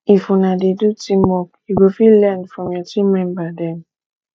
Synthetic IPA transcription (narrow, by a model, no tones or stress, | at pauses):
ifunadedutimɔkiɡofilɛndfɹɔ̃mjatimɛ̃mbadɛ̃n